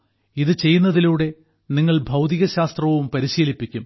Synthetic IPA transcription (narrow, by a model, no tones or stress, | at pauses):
iðɨt͡ɕe̞jːunːɐðiluːɽe̞ | niŋːɐɭbʱɐwt̪iɣɐɕaːst̪rɐʋumpɐɾiɕiːlipːikʲːum